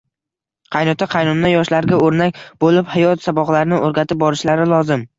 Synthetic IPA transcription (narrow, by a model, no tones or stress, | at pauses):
qʰɑjnɒt̪ʰaqʰɑjnʊnːajɒʃlaɾɡʲaoɾnak̚ʲbolɪphajɒt̪sabɒqlaɾnɪʔoɾɡʲat̪ʰɪp̚bɒɾɪʃlaɾɪlˠɒzɪm